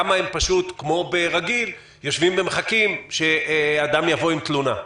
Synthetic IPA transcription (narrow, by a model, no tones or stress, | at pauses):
amaempaʃut̪kmo̞beʁaɡil | jo̞ʃvimbemeχakimʃead̪amjavo̞imt̪luna